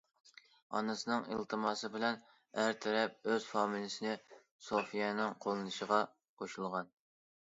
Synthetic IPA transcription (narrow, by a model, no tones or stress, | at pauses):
ɑ̰nɨsɨnɨŋḭlt̪ʰɨmɑsɨbɪlɛn | æɾt̪ʰɛɾɛp̚øz̥fɑːmilˠɪsɪnɪ | sofijɛnɪŋqʰolˠɨnɨʃəʁɑ | qʰoʃulˠʁɑn